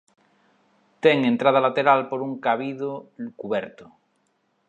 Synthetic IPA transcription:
t̪eŋent̪ɾað̞alat̪eɾalpoɾuŋkaβiðokuβeɾt̪o̥

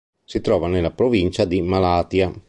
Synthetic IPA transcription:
sit̪ɾɔːvanelːapɾovint͡ʃad̪imalaːt̪ja

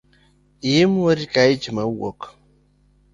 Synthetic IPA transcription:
ijimwoɾikaid͡ʒimawɔ̰k

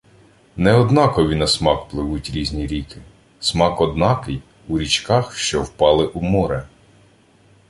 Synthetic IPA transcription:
nɛɔd̪nɑkɔʋʲinɐsmɑkplˠɪʋutʲɾʲizʲnʲiɾʲikɪ | smɑkɔd̪nɑkɪj | uɾʲit͡ʃkɑxʃt͡ʃɔwpɑlˠɪʔumɔɾɛ

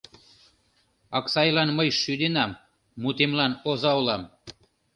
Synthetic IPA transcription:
ɑksɑjlɑnməjʃyd̪enɑmː | ut̪emlɑnozɑulɑm

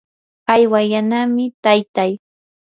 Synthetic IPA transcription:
ajwajanamɪt̪ajt̪aj

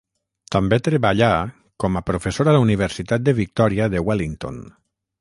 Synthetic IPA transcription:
t̪ambet̪ɾeβaʎa | kɔmapɾofesoɾalauniβeɾsit̪at̪̚d̪əβik̚t̪ɔɾiaðewaliŋt̪o̰n

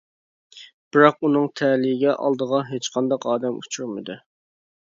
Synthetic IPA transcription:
b̥ɨɾɑqunɨŋt̪ʰɛlijɡʲɛʔɑ̰lˠd̪əʁɑɦet͡ʃqʰɑnd̪ɑqɑːd̪ɛmut͡ʃʰuɾmɨd̪u

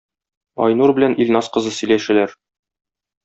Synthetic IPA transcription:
ɒ̰jnuɾbɘ̆lænʔilʲnɑsqɤ̆zɤsɵ̆jlæʃɘ̆læɾ

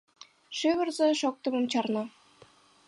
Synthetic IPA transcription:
ʃyβɘ̆rzĕʃok̚t̪ɤ̆mɤ̆mt͡ɕɑrnɑ

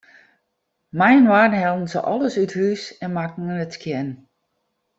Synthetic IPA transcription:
majənʋaːdn̩ɦɛlˠn̩sə̰ʔɔlˠəsythysɛnmakŋ̩ənətkʰjɛn

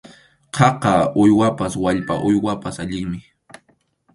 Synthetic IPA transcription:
qʰɑqɑʊjwapaswaʎpaʔʊjwapasaʎɪŋmɪ

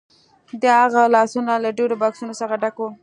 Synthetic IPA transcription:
d̪əɦaɣalɑsunalaɖeɽobɑksunosəxaɖako

